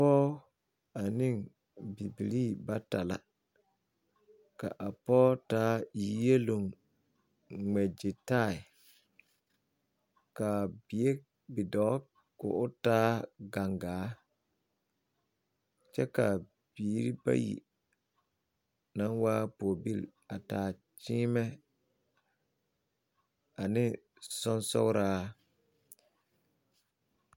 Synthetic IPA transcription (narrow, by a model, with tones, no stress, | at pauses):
pɔː˦ | a˨nɪ˦˨ŋ | bi˨bi˨li˦˨ba˦ta˨la̰˨ | ka̰˨ʔa˨pɔː˦taː˦i˨˦je˦lo˨ŋ | ŋ͡mɛ˨d͡ʒɪ˨ta˦˨ɪ˨ | ka˨bɪ˨e˦ | bɪ˨dɔ˨˦ | kʊ̰˨ʔʊ˦taː˦ɡa˨ŋɡaː˨˦ | t͡ʃɛ˦ka˨ | b̥iː˨˦ɾi˦ba̰˦jḭ˨ | na˦nwaː˦poː˨bi˦˨l | a˨taː˨ | t͡ʃiː˦mɛ˦ | a˨nɪ˦ | sɔ˦nsɔ̰˦ɣɾaː˦